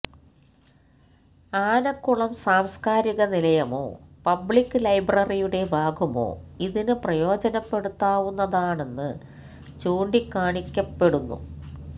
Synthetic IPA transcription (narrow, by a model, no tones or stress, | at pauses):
aːnɐkːuɭɐmsaːmskaːɾiɣɐnilɐjɐmo̰ːpɐbɭikːɨlɐjbrɐrijuɽe̞bʱaːɡumo̰ːiðinɨprɐjo̞ːd͡ʑɐnɐpːe̞ɽut̪ːaːʋunːɐðaːɳe̞nːɨ | t͡ɕuːɳɖikːaːɳikʲːɐpːe̞ɽunːṵ